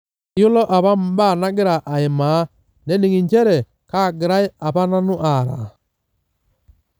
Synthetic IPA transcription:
jʊ˦lɔ˦ʔa˨βa˦m̩˦ba˦˨na˦ɡɪ˦ɾa˨ʔa˨ɪ˨ma˨˦ | nɛ˦nɪ˨ŋɪ˨ɲt͡ʃɛ˦ɾɛ˨ | ka˦˨ɡɪ˨ɾa˦ɪ˦a˨pa˦na˦nʊ˦ʔa˨ɾa̰˨

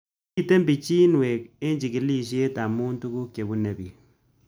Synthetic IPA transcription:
i˦˨te˦mbi˨t͡ʃi˦nwe˨k̚e˦nd͡ʒi˨kɪ˨˦li˦ʃ̬je˦ta˨mu˦ntu˦ku˦kje˨bu˦ne˨bi˨

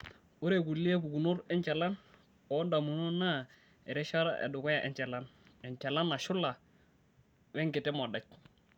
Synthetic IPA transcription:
o˦ɾe˨ɡu˨lːi˦e˦bu˨ɡu˨no˦ɾɛ˦nt͡ʃa˨la˦n | ɔ˨˦nda˨mu˨no˦na˦ | ɛ˨ɾɛ˦ʃa˦ɾa̰ʔḛ˨du˨kɔ˦ja˨ʔɛ̰˨ɲt͡ʃa˨la˦nɛ˨ɲt͡ʃa˨la˦nːa˨ʃʊ˦la˨ | wɛ˦ŋɡɪ˨tɛ˦ma˨da˦t͡ʃ̚

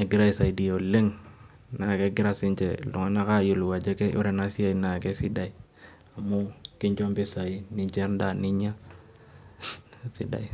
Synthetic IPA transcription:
ɛ˨ɡɪ˦ɾa˦i˨sa˨i˨di˨jo˨le˦ŋ | na˨kɛ˦ɡɪ˦ɾa˦si˦nt͡ʃɛ˨lu˨ŋa˦na˦ka˦jlu˨wa˨d͡ʒɛ˦kɛ˦ṵ˦ɾɛ˨na˦si˦a˨i˦na˨kɛ˦si˦da˨i˨ | a˨mu˦ki˦ɲt͡ʃo˦mbi˦sa˨i˦ni˦ɲt͡ʃɛ˦nda˦˨ni˦ɲa˦ | sḭ˦da̰˨i˨

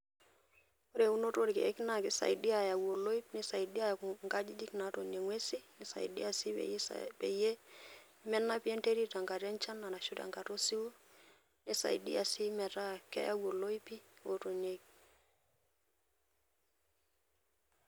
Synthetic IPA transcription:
o˦ɾe˨u˦no˦to˦ɾkḛ˨ɛ˦kna˦˨kɪ˦sa̰˨ji˨di˦a˨ja˨wo˨lo˦i˦pni˦sa˨i˨di˦a˦ja˨ku˨ŋɡa˦d͡ʒi˦d͡ʒi˦kna˨˦to˨ɲe˨ŋwe˦si˦ni˦sa̰˨ḭ˨dḭ˦a˨sḭ˦pḛ˨je˦ | mɛ˦nːa˦pi˦e˦nte˦ɾi˦ta˨ŋɡa˨ɾa˦nt͡ʃa˦na˨na˨ʃu˦ta̰˨ŋɡa˨to˦si˦wu˦ | ni˦sa̰˨ḭ˨dḭ˦a˨si˦mɛ˨ta˦kɛ̰˦ja˦wo˨lo˦i˦pi˦o˨to˨ɲe˦k̚

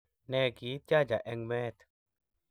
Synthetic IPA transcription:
nɛ˧ɡi˨˦t̪̚d͡ʒa˦d͡ʒa˨ʔɛ˧ŋmɛ˦t̪

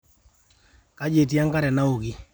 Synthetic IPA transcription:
ka˦d͡ʒe˨t̬ija˦ŋka˦ɾɛ˨na˦ʊ˨ɡi˦

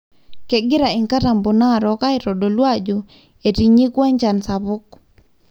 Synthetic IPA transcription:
ke˨ɡɪ˦ɾa˨i˨ŋka˦ta˨mbu˨na˦ɾɔka˦ɪɾɔ˨ɗo˨lwad͡ʒu | e˨ti˨ɲi˦kwa˦ɲt͡ʃa˨nsaβʊ˦k

